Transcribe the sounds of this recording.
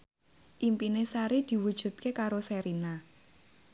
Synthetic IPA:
ʔimpinesaɾid̪̥i̤wud̥ʒ̥ṳt̪̚kekaɾosɛɾina

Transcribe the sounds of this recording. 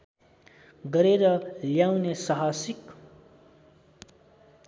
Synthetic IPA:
ɡʌɾeɾʌljawnesʌɦasik

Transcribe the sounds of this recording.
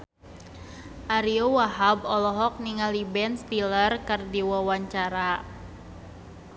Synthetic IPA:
ʔaɾiowaɦabɔlɔɦɔk̚niŋalibɛnst̪ilərkərdiwawaɲt͡ʃaɾa

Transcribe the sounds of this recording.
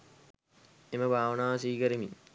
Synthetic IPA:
eməbʱaːʋənaːsiːkɐɾimi

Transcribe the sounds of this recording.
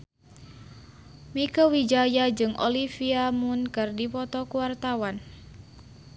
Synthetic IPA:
mikəwid͡ʒajad͡ʒɨŋʔo̰lifiamunkɨrdipɔt̪ɔkuwart̪awan

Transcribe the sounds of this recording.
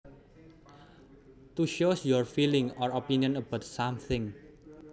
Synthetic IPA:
t̪uʃosjɔɹfilɪŋɔɹopiniɔnəbaʊt̪̚samθʰɪ̃ŋ

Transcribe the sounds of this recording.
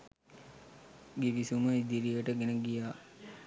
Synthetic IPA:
ɡiʋisuməid̪iɾijəʈəɡenəɡijaː

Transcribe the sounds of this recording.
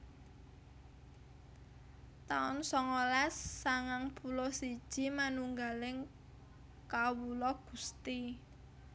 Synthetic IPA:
t̪aʊnsɔŋolasːaŋaŋpulɔsid̥ʒ̥i̤manuŋɡalɪŋ | kawulɔɡ̥ṳst̪i

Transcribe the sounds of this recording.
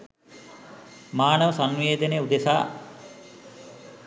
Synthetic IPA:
maːnəʋəsanʋeːd̪əneud̪esa̰ː

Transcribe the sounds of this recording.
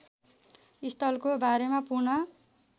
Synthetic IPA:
ist̪ʌlkobaɾemapurnʌ

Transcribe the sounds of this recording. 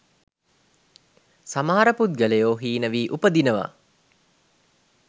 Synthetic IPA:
samaɦaɾəpud̪̚ɡəlejoːɦiːnəʋiːʔupəd̪inəʋa̰

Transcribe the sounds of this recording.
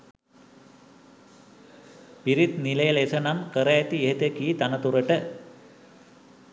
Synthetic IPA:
piɾit̪niləjəlesənamkəɾəæt̪ieɦet̪əkiːt̪anət̪uɾəʈə

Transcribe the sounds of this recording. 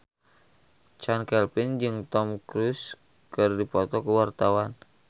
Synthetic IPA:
t͡ʃankɛlpind͡ʒɨŋt̪ɔmkɾus | kɨrdipɔt̪ɔkəwart̪awan

